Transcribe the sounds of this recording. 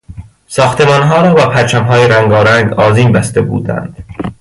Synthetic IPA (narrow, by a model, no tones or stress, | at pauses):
sɒːxt̪e̞mɒːnɦɒːɾɒːbæpʰæɾt͡ʃʰæmɦɒːjeɾæŋɡɒːɾæŋɡɒːziːmbæst̪e̞bṵːd̪æ̰nd̪̥